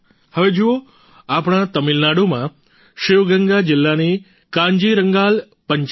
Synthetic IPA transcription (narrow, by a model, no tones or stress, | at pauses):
həʋed͡ʒuo | apɽ̃ãt̪əmilnaɽomã | ʃɪʋɡəŋɡad͡ʒɪlːani | kãɲd͡ʒiɾəŋɡal | pəɲt͡ʃ